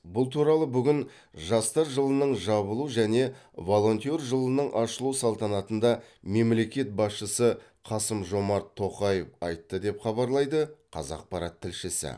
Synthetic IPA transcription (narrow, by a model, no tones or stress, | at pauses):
bʊlˠt̪ʰuɾɑlˠəbʏɡʲɪn | ʒɑst̪ɑɾʒəlˠənəɴʒɑβəlˠuʒæne̞vo̞lˠo̞nt̪ʲorʒəlˠənəɴʔɑʃəlˠusɑlˠt̪ɑnɑt̪ənd̪ɑme̞mle̞kʲe̞t̪̚bɑsʃəsə | qʰɑsəmʒo̞mɑɾt̪ʰːo̞qɑjefɑjt̪ːəd̪e̞pχɑbɑɾlˠɑjd̪əqʰɑ̰zɑ̰q̚pɑɾɑt̪ʰːɪlʃɪsɪ̰